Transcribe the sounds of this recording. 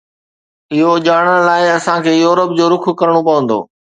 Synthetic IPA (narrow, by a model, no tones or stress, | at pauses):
ɪɦoʄaːɽ̃əɽlaːɪɐsãkʰeːjoːɾəp̚d͡ʑoːɾʊkʰkɐɾəɽ̃opɐʋə̃nd̪o̰ː